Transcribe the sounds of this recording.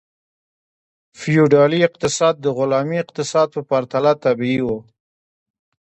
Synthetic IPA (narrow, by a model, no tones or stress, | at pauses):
fijuɖɑliɪq̚t̪ɪsɑd̪̚ːəɣʊlɑmiɪqt̪ɪsɑd̪̚pəpaɾt̪alat̪abiiwo